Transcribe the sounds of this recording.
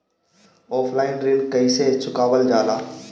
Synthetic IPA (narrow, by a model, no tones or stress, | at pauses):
ɔːpʰlaːɪnɾɪ̃ŋkəiset͡ʃʰʊkaːʋəld͡ʒaːlaː